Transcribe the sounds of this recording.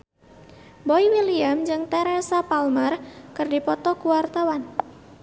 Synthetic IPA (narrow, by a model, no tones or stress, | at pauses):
boiwiliamd͡ʒɨŋt̪ɛɾɛsapalmarkɨrdipɔt̪ɔkuwart̪awan